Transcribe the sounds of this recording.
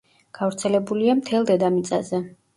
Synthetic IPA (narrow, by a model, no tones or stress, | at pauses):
ɡ̥avɾt̪sʰɛlɛbuliamt̪ʰɛlˠd̪ɛd̪amit̪sʼazɛ